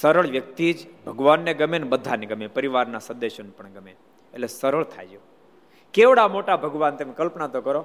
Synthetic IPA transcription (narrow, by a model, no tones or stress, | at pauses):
səɾəɭʋjək̚t̪id͡ʒbʱəɡʋanːeɡəmenebəd̪ʱːaneɡəmepəɾiʋaɾnasə̃nd̪eʃonepəɳɡəme | ḛʈlesəɾəɭt̪ʰa̰jd͡ʒo | keʋɽamoʈabʱəɡʋant̪emekəlpnat̪okəɾo